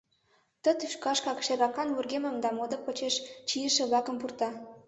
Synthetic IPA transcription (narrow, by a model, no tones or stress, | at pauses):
t̪ə̆t̪yʃkɑʃkɑkʃeɾɑkɑnwurɣemə̆md̪ɑmod̪ɤ̆pə̆t͡ɕeʃt͡ɕijə̆ʃĕβlɑkə̆mpurt̪ɑ